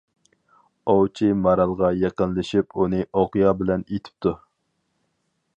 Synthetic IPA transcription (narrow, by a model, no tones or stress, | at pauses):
owt͡ʃʰimɑɾɑlˠʁɑjeqənlɪʃipunɨʔoqijɑbɪlɛnet̪ʰɪ̥p̚t̪ʰu